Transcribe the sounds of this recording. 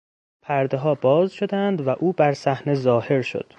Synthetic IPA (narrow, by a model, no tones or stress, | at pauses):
pʰæɾd̪eɦɒːbɒːzʃo̞d̪ænd̪væʔuːbæɾsæhne̞zɒːhe̞ɾʃo̰d̪̥